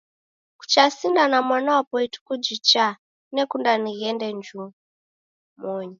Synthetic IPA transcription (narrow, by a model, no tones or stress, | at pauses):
ku̥t͡ʃasindanamwanawapɔitu̥kud͡ʒit͡ʃa | nekundaniɣɛndɛnd͡ʒu | mɔːɲi